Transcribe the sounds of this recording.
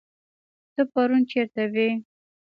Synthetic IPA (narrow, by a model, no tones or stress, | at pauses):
t̪əpaɾunt͡ʃeɾt̪awe